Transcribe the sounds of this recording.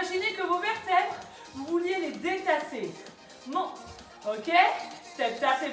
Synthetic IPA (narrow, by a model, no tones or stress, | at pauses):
aʒinekəvomɛʁt̪ɛt̪χ | vuvuljeled̪et̪ase | mɔ̃ | okʲest̪ɛt̪ase